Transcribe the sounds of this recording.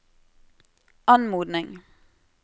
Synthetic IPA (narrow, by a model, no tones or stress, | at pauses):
ɑnmuːd̪nɪŋ